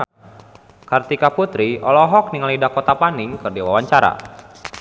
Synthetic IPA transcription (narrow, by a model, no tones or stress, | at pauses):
kart̪ikaput̪ɾiʔɔlɔɦɔk̚niŋalidakɔt̪apaniŋkɨrdiwawaɲt͡ʃaɾa̰